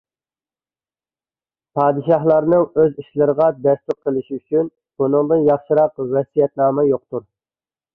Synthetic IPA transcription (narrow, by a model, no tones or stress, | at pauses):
pʰɑːd̪ɨʃɑhlˠɑɾnɨŋøziʃlɨɾəʁɑd̪ɛst̪ʊɾ̚qʰəlˠɪʃyt͡ʃʰyn | b̥unɨŋd̪ɨnjɑχʃɨɾɑqvɛsijɛt̪nɑːmɛjoq̚t̪uɾ